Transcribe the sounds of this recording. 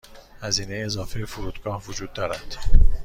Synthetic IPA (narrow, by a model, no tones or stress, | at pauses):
hæziːne̞jeːzɒːfejefuɾuːd̪ɡɒːhvod͡ʒuːd̪ːɒːɾæd̪̥